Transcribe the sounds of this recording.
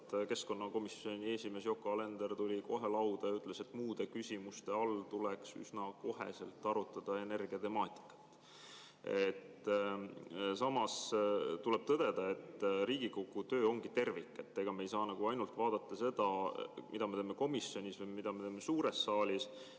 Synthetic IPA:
t̪ke̞sko̞nːɑko̞misːo̞nʲieːsime̞sjo̞kːˑoɑle̞nd̪ert̪ulʲiko̞ɦe̞lɑwd̪̥ɑjɑyt̪ːˑle̞se̞t̪ːˑmuːd̪̥e̞kysimust̪e̞ɑlt̪uleksy̰snɑko̞ɦḛse̞lt̪ːˑɑɾut̪ːˑɑd̪̥ɑe̞ne̞rɡ̥iɑt̪e̞mɑːt̪ˑi̥kːˑɑ̥t̪ːˑ | et̪ː | sɑmɑst̪ule̞b̥̚t̪ɤd̪̥e̞d̪̥ɑe̞t̪ːriːɡ̥ikokːut̪ø̞ːo̞ŋɡ̥it̪e̞rvikːˑe̞t̪ːe̞ɡ̥ɑmejsɑːnɑɡ̥uɑjnult̪vɑːd̪̥ɑt̪ːˑɑse̞d̪̥ɑmid̪ɑme̞t̪eːmːe̞ko̞misːjo̞nʲisvɯjmid̪̥ɑme̞t̪eːmːe̞suːɾe̞sːɑːlʲis

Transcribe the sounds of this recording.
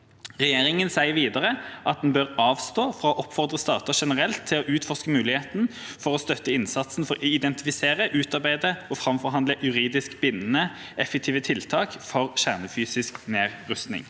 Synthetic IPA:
ʁɛjeːʁɪŋənsæɪəɾʋiːd̪əʁəʔɑt̪̚d̪ɛnbøʁɑːʋst̪oːfʁɑoːʔɔpːfɔʁd̪ʁəst̪ɑ̰ːt̪əʂɛnəʁɛlt̪ʰːɪlɔʔʉːt̪fɔʁskəmʉːlɪheːt̪nfɔʁɔst̪œt̪ːəɪnsɑt̪sn̩fɔʁɪd̪ɛnt̪ɪfɪseːʁəʔʉːt̪ɑʁbæɪd̪əɔːfʁɑmfɔʁɦɑnd̪ləjʉʁiːd̪ɪskbɪnːnə | ɛfɛk̚t̪ʰiːʋət̪ʰɪlt̪ʰɑːkfɔʁɕæʁnəfyːsɪskneːʁːʉst̪nɪ̰ŋ

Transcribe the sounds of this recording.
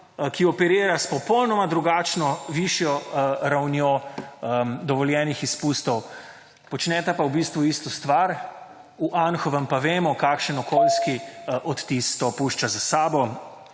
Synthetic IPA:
kiɔpɛɾiːɾaspɔpɔwnɔmad̪ɾuɡaːt͡ʃnɔʋiʃjɔɾawnjo | d̪ɔʋɔljɛːnixispust̪ɔw | pɔt͡ʃnɛt̪apawbist̪ʋuist̪ɔst̪ʋaɾ | uʔanxɔʋɛmpaʋeːmɔkakʃənɔkolskiʔɔt̪t̪ist̪ɔpuːʃt͡ʃazasaːbɔ

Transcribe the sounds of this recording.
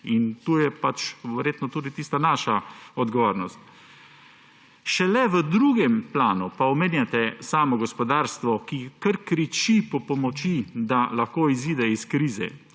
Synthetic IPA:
int̪uːjɛpat͡ʃʋɛɾjeːt̪nɔt̪uːd̪it̪iːst̪anaːʃaɔd̪ɡɔʋoːɾnɔst̪ | ʃɛlɛʋəd̪ɾuːɡɛmplaːnupaɔmeːnjat̪ɛsaːmɔɡɔspɔd̪aːɾst̪ʋɔkikəɾkɾit͡ʃipɔpɔmɔt͡ʃid̪alaxkoːiziːd̪ɛiskɾiːzɛ̰

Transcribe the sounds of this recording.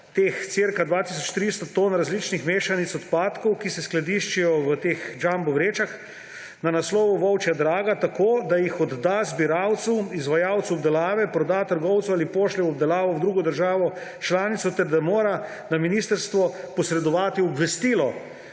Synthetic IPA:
t̪eːxt̪siɾkad̪ʋaːt̪is̬ɔt͡ʃt̪ɾist̪t̪oːnɾazlit͡ʃnixmeːʃanit̪sɔt̪paːt̪kɔwkisɛsklad̪iʃt͡ʃijɔʋət̪eːxd͡ʒambɔwɾeːt͡ʃax | nanaslɔːʋɔʋɔwt͡ʃjad̪ɾaːɡat̪akoːd̪ajixɔd̪ːazbiɾawt̪suizʋajawt̪suɔbd̪ɛlaːʋɛpɾɔd̪aːt̪əɾɡɔwt̪swaːlipoːʃlɛɔbd̪ɛlaːʋɔwd̪ɾuːɡɔd̪əɾʒaːʋɔ | t͡ʃlaːnit̪sɔt̪ɛɾd̪amoːɾa | naminiːst̪əɾst̪ʋɔ | pɔsɾɛd̪ɔʋaːt̪iɔbʋɛst̪iːlɔ

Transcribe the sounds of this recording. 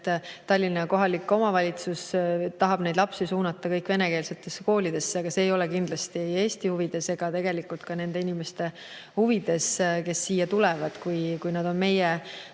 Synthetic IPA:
t̪ːt̪ɑlʲːineko̞ɦɑlikːo̞mɑvɑlʲit̪sust̪ɑɦɑb̥ne̞jd̪lɑpsisuːnɑt̪ˑːɑkɤjkve̞ne̞ke̞ːlse̞t̪ːˑe̞sːeko̞ːlid̪̥e̞sːeɑɡ̥ɑseːjo̞lekind̪̥lɑst̪ie̞ːst̪ihuvid̪̥e̞se̞ɡ̥ɑt̪e̞ɡ̥e̞likːˑult̪kɑne̞nd̪̥e̞inimest̪e̞ | huvid̪̥e̞ske̞sːiːjːɑt̪ulevɑd̪̥kujkujnɑd̪̥o̞nme̞je

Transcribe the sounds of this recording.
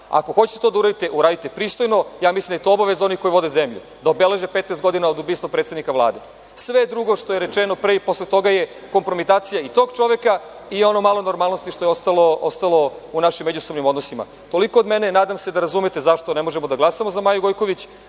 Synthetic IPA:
a̰ko̞xot͡ɕi̥t̪et̪od̪auɾad̪it̪e̞ʔuɾaːd̪it̪epɾiːst̪o̞jno̞jaːmislʲimd̪jet̪oobaʋe̞zao̞niko̞jʋo̞d̪ezemʎṵd̪aobele̞ʒepet̪nest̪ɡo̞d̪inaod̪ubiːst̪ʋopɾet̪sed̪nikaʋlˠa̰ːd̪e̞ | sʋed̪ɾuɡo̞ʃt̪o̞jeɾet͡ʃeno̞pɾeipo̞slˠet̪o̞ɡaje̞ | ko̞mpɾo̞mit̪aːt̪sijait̪o̞ɡt͡ʃo̞ʋe̞ka | ijo̞nomalo̞no̞ɾmalˠno̞st̪iʃt̪o̞jeo̞st̪alo̞ost̪alo̞unaʃimːed͡ʑusobnimod̪nosima̰ | t̪o̞liko̞ːd̪mene̞naːd̪amse̞d̪aɾazumet̪e̞zaʃt̪o̞nemo̞ʒemod̪aɡlˠasamozamaːjuɡo̞jkoʋit͡ɕ

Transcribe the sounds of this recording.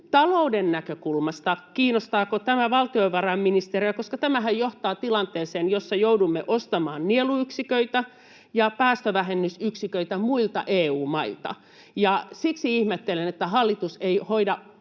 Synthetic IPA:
t̪ɑloudenːækøkulmɑst̪ɑkiːnost̪ɑːkot̪æmæʋɑlt̪ioʋɑrɑmminist̪eriækoskɑt̪æmæhæjjoht̪ɑːt̪ilɑnt̪eːseːnjosːɑjoudumːeʔost̪ɑmɑːnnieluyksikøit̪æ | jɑpæːst̪øʋæhenːysyksikøit̪æmuilt̪ɑ̰ʔeːuːmɑilt̪ɑ̰ | jɑsiksiihmet̪ːelenet̪ːæhɑlːit̪useihoidɑ

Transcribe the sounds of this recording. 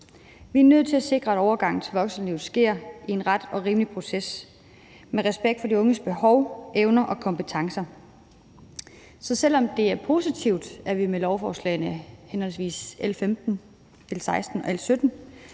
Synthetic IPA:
ʋiæɐnøð̞̰ˠt͡sʰe̝læse̝ɡ̥ʁɐeɾɒʊɐɡ̥ɑ̈ŋ̰n̩t͡sʰe̝ʋɒ̽ɡ̥sn̩liʊsɡ̥e̝ɐ̰ie̝nʁad̥ɒ̽ʁiːməlipʰʁo̝ses | meʁɛsb̥eɡ̥̚d̥fɒ̽diɔ̽ŋəsb̥e̝hɒʊʔeʊnɐʔɒ̽kʰɒ̽mpʰət͡sʰɑ̈ŋsɐ | sɒ̽sel̰ɒ̽md̥e̝æɐpʰo̝sit͡sʰiʊ̰d̥æɐʋimelɒʊfɒːslɛ̰ɪnəhenhɒ̽lsʋḭːselfemd̥n̩ | el̰sɑ̈ɪsd̥n̩ɒ̽elsød̥n̩

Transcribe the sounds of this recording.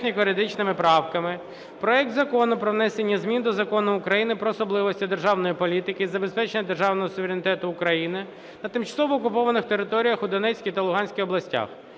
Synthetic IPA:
nʲikɔɾed̪ɪt͡ʃnɪmɪpɾɑwkɐmɪ | pɾɔɛk̚t̪zɐkɔnʊpɾɔʋn̪ɛsenʲːɐzʲmʲind̪ɔzɐkɔnʊːkɾɐjinɪpɾɔːsɔblˠɪʋɔsʲtʲid̪e̞rʒɑwnɔjipɔlʲit̪ɪkɪizɐbespɛt͡ʃenʲːɐd̪e̞rʒɑwnɔɦɔsʊʋeɾʲenʲɪt̪ɛt̪ʊːkɾɐjinɪ | nɐt̪ɪmt͡ʃɐsɔʋɔːkʊpɔʋɐnɪxt̪eɾɪt̪ɔɾʲijɐxʊd̪ɔnɛt͡sʲkʲit̪ɐlˠʊɦɑnʲsʲkʲiɔblˠɐsʲtʲa̰x

